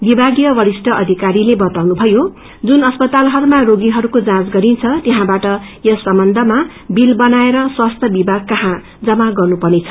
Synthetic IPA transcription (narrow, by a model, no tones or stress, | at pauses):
bibʱaɡijʌwʌɾisʈʌʔʌd̪ʱikaɾilebʌt̪awnubʱʌjo | d͡zunʌspʌt̪alɦʌɾumaroɡiɦʌɾukod͡zãt͡sɡʌɾint͡sʰʌt̪eɦãbaʈʌjʌsʌmbʌnd̪ʱʌma | bilbʌnaeɾʌswast̪ʰjʌbibʱaɡ̚kʌɦã | d͡zʌmaɡʌrnupʌrnet͡sʰʌ̥